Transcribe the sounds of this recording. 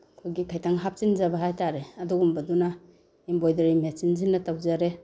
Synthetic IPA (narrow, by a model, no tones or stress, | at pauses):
kʰojɡikʰajtʰaŋɦap̚t͡ʃinzabaɦajtaɾeɐduɡumbɐduna | imbojdɐɾimet͡ʃinzinːɐtawzaɾe